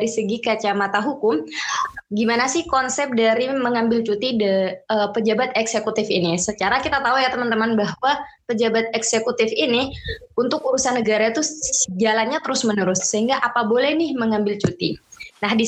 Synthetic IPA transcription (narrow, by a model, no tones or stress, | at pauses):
ɾisəɡikat͡ʃamat̪aɦukʊm | ɡimanasɪhkɔnsɛp̚daɾiməŋambɪlt͡ʃut̪idəpəd͡ʒabat̪̚ɛksekut̪ɪfinisət͡ʃaɾakit̪at̪aujat̪əmənt̪əmənbahwapəd͡ʒabat̪̚ɛksekut̪ɪfini | unt̪ʊkuɾusanːəɡaɾait̪ud͡ʒalanɲat̪əɾʊsmənəɾʊsːəɦiŋɡaʔapabolɛhnɪhməŋambɪlt͡ʃut̪ḭnahdi